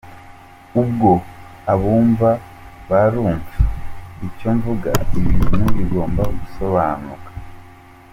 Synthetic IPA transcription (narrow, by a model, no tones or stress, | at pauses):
ub̚ɡo̞ | aβuːɱva | βaɾuːɱvuicoɱvuɡa̰iβiɾimuɡiɡo̞ːmbaɡuso̞βaːnukḁ